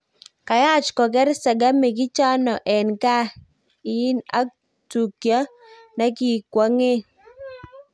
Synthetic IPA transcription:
ka˨ja˦˨t͡ʃkɔ˨k̬ɛ˦ɾsa˨ɡa˦me˨k̬ɪ˦t͡ʃa˦nɔ˨ʔɛ˨nka˦ | ɪ˨ɪ˦na̰˦ | tu˨kja˦ | na˦ki˦kwɔ˦ŋe˦

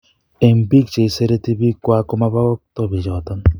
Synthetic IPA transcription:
e˨m̩˨bi˦kt͡ʃe˨i˨se˦ɾe˦ti˦bi˦kwa˦kɔ˦ma˦ba˦ɔ˦k̚tɔ˦bi˨d͡ʒɔ˨tɔ˦n

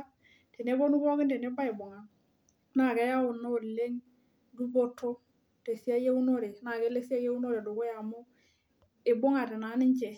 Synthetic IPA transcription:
te˨ne˨˦bo˦nu˦kɔ˦kɪ˦nde˨ne˦ba˦e˨bɔ˨ŋa˨˦ | na˨kɛ˦ja˦ʊ˨nːo˦o˨le˦ŋ | du˦bo˦tʰːo˦ | te˨si˦a˦je˦u˦no˦ɾe˨˦na˨ke˦le˦si˦a˦je˦u˦no˦ɾe˨do˨ko˦ja˨mo˦ | e˨bɔ˦ŋa˨te˨na˨˦nɪ˦ɲt͡ʃɛ˨

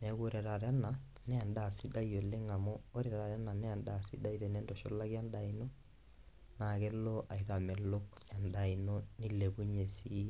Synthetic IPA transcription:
nɛɣoɾɛ˨ɾa˨ɾa˦na˨ | nɛ˦a˨nda˨si˦da˦io˨le˦ŋa˨mɔo˦ɾɛ˨ɾa˨ɾja˦na˨nɛ˦a˨nda˨si˦da˦iɾɛ˨nɛ˦ndɔ˨ʃo˦la˦ɣja˦nda˨inɔ | na˨ɣɛ˦lɔʔa˨i˨ɾa˨mɛ˨lokja˨ndai˨nɔni˦le˨βu˦ɲe˨si˦

